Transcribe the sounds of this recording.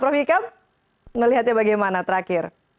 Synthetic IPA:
pɾəfikam | nəliɦat̪jabaɡajmanat̪əɾakɪr

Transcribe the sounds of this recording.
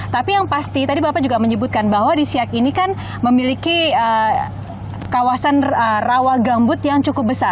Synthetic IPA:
t̪apijaŋpast̪it̪adibapad͡ʒuɡaməɲəbut̪̚kanbaɦwadisiakinikan | məmilikiə | kawasanərawahɡambʊt̪jaŋt͡ʃukʊp̚bəsar

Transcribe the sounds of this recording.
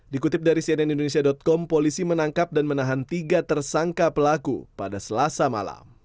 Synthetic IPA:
dikut̪ɪp̚daɾisiɛnɛnindonesiadɔt̪̚kɔmpolisimənaŋkap̚danmənaɦant̪iɡat̪ərsaŋkapəlakṵpadasəlasama̰la̰m

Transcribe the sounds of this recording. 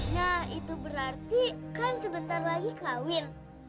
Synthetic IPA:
nahit̪ubəɾart̪ikansəbənt̪arlaɡikawɪn

